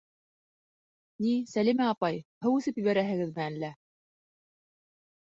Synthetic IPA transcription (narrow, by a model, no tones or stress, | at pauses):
nisælimæɑpɑjhɤwʉθɘpjɘ̆βæɾæɦɘ̆ɡɘðmɘælːæ